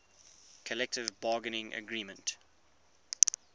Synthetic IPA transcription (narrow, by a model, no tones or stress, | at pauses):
kʰəlɛk̚tɪvbɑːɡənɪ̃ŋʔə̰ɡɹiːmə̃nt